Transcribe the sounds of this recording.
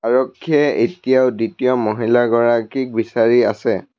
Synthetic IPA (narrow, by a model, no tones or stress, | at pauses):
aɹɔkʰːiɛetijaʊditijɔmɔɦilaɡɔɹakik̚bisaɹia̰sɛ